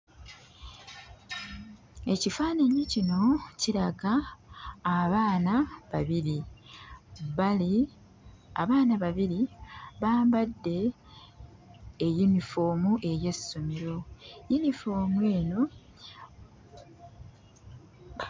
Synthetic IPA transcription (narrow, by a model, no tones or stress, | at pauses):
e̞cifaːnaɲicino̞ciɾaɡaː | βaːnaβaβiɾi | βali | aβaːnaβaβiɾiβaːmbadːe̞ | junifo̞ːmuʔe̞ɾje̞sumiɾo̞junifo̞ːmwe̞ːno̞